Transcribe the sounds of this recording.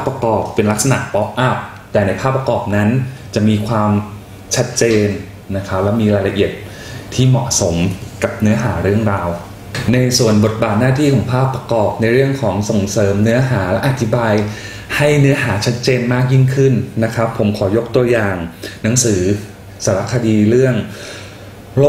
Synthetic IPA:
paː˥˩pːɾa˧kɔː˨˩pːe˧nla˦˥k̚sa˧na̰˨˩ʔpɔ˦˥p̚ʔa˦˥˩p̚ | t̪ɛː˨˩na˧˥jpʰaː˥˩pːɾa˧kɔː˨˩p̚na˦˥nt͡ɕa˨˩ʔmiː˧kʰwaː˧m | t͡ɕʰa˦˥t̪̚t͡ɕeː˧nː | a˦˥kʰa˦˥p̚lɛ˦˥wmiː˧ɾaː˧jla˧ʔi˨˩ət̪̚ | t̪ʰiː˥˩mɔ̰˨˩ʔso˩˦mka˨˩p̚nɯ˦˥ɐɦaː˩˦ɾɯ˥˩əŋɾaː˧w | na˧jsu˨˩ənbo˨˩t̪̚baː˨˩t̪̚naː˥˩t̪ʰiː˥˩kʰɔː˩˦ŋpʰaː˥˩pːɾa˧kɔː˨˩p̚na˧jɾɯ˥˩əŋkʰɔː˩˦ŋso˨˩ŋsɤː˩˦mnɯ˦˥ɐɦaː˩˦lɛ˦˥ʔa˨˧˩t̪ʰi˦˥baː˧j | ha˥˩jnɯ˦˥ɐɦaː˩˦t͡ɕʰa˦˥t̪̚t͡ɕeː˧nmaː˥˩k̚ji˥˩ŋkʰɯ˥˩nːa˦˥kʰɾa˦˥pʰːo˩˦mkʰɔː˩˦jo˦˥k̚t̪u˧ɐjaː˨˩ŋna˩˦ŋsɯː˩˦ | saː˩˦ɾa˦˥kʰːa˧diː˧ɾɯ˥˩əŋ | lo˥

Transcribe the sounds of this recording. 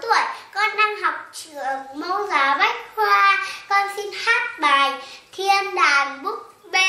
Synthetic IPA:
t̪w̰əjkɔ˨˧nːa˧mɦa˨˩wk͡p̚t͡ɕɨ˧˨əŋmə˧wzaː˨˩va˦˥jk̚hwaː˧kɔ˧nsi˧nhaː˦˥t̚ɓaː˨˩jt̪ʰi˧ənɗaː˨˩nɓʊ˦˥k͡p̚ | ɓe˧

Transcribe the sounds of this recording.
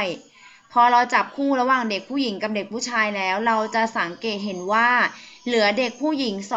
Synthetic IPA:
j | pʰɔː˧ɾa˧wt͡ɕa˨˩p̚kʰuː˥˩ɾa˧waː˨˩ŋde˨˩k̚pʰuː˥˩ji˩˦ŋka˨˩p̚de˨˩k̚pʰuː˥˩t͡ɕʰaː˧jlɛː˦˥wɾa˧wt͡ɕa˨˩ʔsa˩˦ŋkeː˨˩t̪̚ɦe˩˦nwaː˥˩lɯ˨˩˦ɐde˨˩k̚pʰuː˥˩ji˩˦ŋs

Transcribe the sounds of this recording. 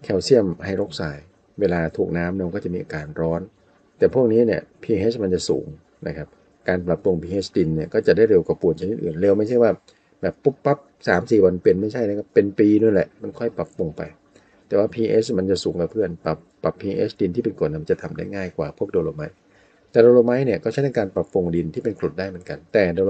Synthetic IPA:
kʰɛ˧˩wsi˥˩əmha˥˩jɾo˦˥k̚saː˩˦j | weː˧laː˧t̪ʰuː˨˩k̚naː˦˥mnɛː˧˥˩kɔː˥˩t͡ɕa˨ʔmiː˧ʔːkaː˧nɾɔː˦˥n | t̪ɛː˨˩pʰu˥˩ək̚niː˦˥ni˥˩əpʰiː˧ʔeː˦˥sma˧nt͡ɕa˨˩sṵː˩˦ŋ | nʔa̰˦˧kʰa˦˥p̚ | kaː˧npla˨˩p̚lo˧ŋpʰiː˧ʔe˦˥sdi˧nːi˥˩əkɔː˥˩t͡ɕa˨˩daː˥˩jɾe˧wka˨˩pu˨˩ət̪̚ʰa˧ni˦t̪̚ʔɯː˨˩nle˧wma˥˩jʰa˥˩jwaː˥˩ | bɛː˨˩pːu˦˥pːa˦˥p̚saː˩˦msiː˨˩wa˧npe˧nma˥˩jt͡ɕʰa˥˩jna˦˥˩kʰa˦˥pːe˧npiː˧nu˧˩˨lɛ˨˩ʔma˧nkʰɔ˥˩jpa˨˩pːu˧ŋpa̰˧j | t̪ɛː˨˩waː˥˩pʰiː˧ʔeː˦˥sma˧nt͡ɕa˨˩ʔsuː˩˦ŋka˨˧pʰɯ˥˩ənpa˨˩pːa˨˩pʰːiː˧ʔe˦˥sdi˧nt̪ʰiː˥˩pe˧nko˨˩na˧˩ma˧˩t͡ɕa˨˩t̪ʰa˧mda˥˩jŋaː˥˩jkwaː˨˩pʰu˥˩ək̚doː˧loː˧ma˦˥j | t̪ɛː˨˩doː˧loː˧ma˦˥jni˥˩əkɔ˥˩t͡ɕa˦˥t̪ʰa˧kaː˧npa˨˩pːu˧ŋdi˧nt̪ʰiː˥˩pe˧nkʰlu˨˩daː˥˩jmɯ˩˦nka˧nt̪ɛː˨˩doː˧

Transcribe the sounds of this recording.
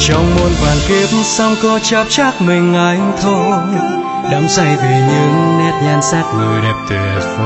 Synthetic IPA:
t͡ɕɔ˧wŋ͡mmo˧nkwaː˨˩nki˧əp̚m̩sa˧wŋ͡mkɔ˧t͡ɕaː˧˥p̚t͡ɕaː˦˥k̚mï˨˩ŋ̟ʔa˨˦jŋt̪ʰo˧j | ɗa˨˦ŋ͡msa˧˩jvi˨˩ɲɨ˧˦ŋnɛ˦˥t̚ɲaː˧nsaː˦˥k̚ŋu˨˩jɗɛ˨˩p̚t̪e˨˩˧

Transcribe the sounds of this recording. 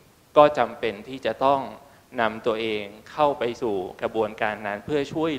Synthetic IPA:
kɔː˥˩t͡ɕa˧mpe˧nt̪ʰiː˥˩t͡ɕa˨˩ʔt̪ɔ˥˩ŋ | na˧mt̪u˧əʔeː˧ŋkʰa˥˩wpa˧jsuː˨˩kɾa˧bu˧ənkaː˧nːa˦˥npʰɯ˥˩ɐt͡ɕʰu˥˩əj

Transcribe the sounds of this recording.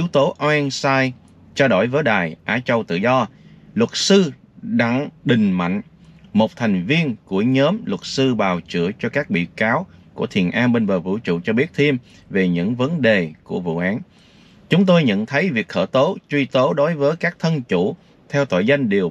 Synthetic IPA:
ʔi˨˦əwt̪o˨˦ʔa˧ɛ˧nsaː˧j | t͡ɕaː˧ɗo˧˩jvəː˨˦jɗaː˨˩jʔaː˨˦t͡ɕə˧wt̪ɨ̰˧˨zɔ˧lwə˨˩t̚sɨ˧ | ɗa˧ŋɗï˨˩ŋ̟ma̰˧˨jŋ̟mo˨˩t̚t̪ʰa˨˩jŋ̟vi˧ənku˧˩əɲəː˨˦mlwə˨˩t̚sɨ˧ɓaː˨˩wt͡ɕɨ̰˧˩˨ət͡ɕɔ˧kaː˦˥k̚ɓḭ˧˨kaː˨˦wku˧˩ət̪ʰi˨˩ənʔaː˧mɓe˧nvəː˨˩vṵ˧˨t͡ɕṵ˧˨t͡ɕɔ˧ɓi˦˥ət̚t̪ʰi˧m | ve˨˩ɲɨ̰˧˥ŋvə˨˦nɗe˨˩ku˧˩əvṵ˧˨ʔaː˨˦n | t͡ɕʊ˨˦ŋ͡mt̪o˧jɲə̰˧˨nt̪ʰə˨˦jvi˨˩ək̚xəː˧˩t̪o˨˦t͡ɕwi˧t̪o˨˦ɗo˨˦jvəː˨˦jkaː˦˥k̚t̪ʰə˧nt͡ɕṵ˧˩˥ | t̪ʰɛ˧wt̪o̰˧˨jza˧jŋ̟ɗi˨˩ə

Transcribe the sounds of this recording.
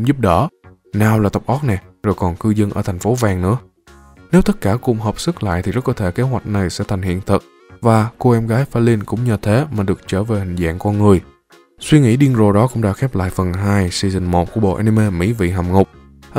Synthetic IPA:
ŋ͡mzu˦˥p̚ɗɔ˨˦ | naː˨˩wlaː˨˩t̪ə˨˩k͡p̚ʔɔ˦˥t̚nɛ˨˩zo˨˩jkɔ˨˩nkɨ˧zə˧nʔəː˧˩t̪ʰa˨˩ŋ̟fo˨˦vaː˨˩ŋnɨ̰˧˥ə | ne˨˦wt̪ə˦˥t̚kaː˧˩kʊ̰˧˩ŋ͡mɦəː˨˩p̚sɨ˦˥k̚la̰ː˧˨jt̪i˨˩zə˦˥kɔ˨˦t̪ʰe˧˩ke˨˦ɦwa˨˩jk̟̚na˨˩jsɛ̰˧˥t̪ʰŋ̟hḭ˧˨ənt̪ʰə˨˩t̚ | vaː˨˩ko˧ʔɛ˧mɣaː˨˦jfaː˧li˧nkʊ̰˧˥ŋ͡mɲəː˨˩t̪ʰe˨˦maː˨˩ɗɨ˨˩ək̚t͡ɕəː˧˩ve˨˩hï˨˩ŋ̟za̰ː˧˨ŋkɔ˧nŋɨ˨˩əj | swi˧ŋḭ˧˥ɗi˧ənzo˨˩ɗɔ˨˦kʊ̰˧˥ŋ͡mɗa̰ː˧˥xɛː˦˥p̚la̰ː˧˨jfə˨˩nɦaː˧jsi˧zï˨˩ŋ̟mo˨˩t̚ku˧˩əɓo̰˧˨ʔa˧ni˧me˧mḭ˧˥vḭ˧˨ɦa˨˩mŋʊ˨˩k͡p̚

